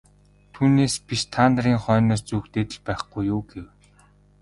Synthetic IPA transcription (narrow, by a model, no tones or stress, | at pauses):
t̪ʰuːneːspʲiʃt̪ʰant̪riːŋχœːnɔːst͡suːkt̪eːt̪ɘ̆ɮpæːχɡujːʊːɡew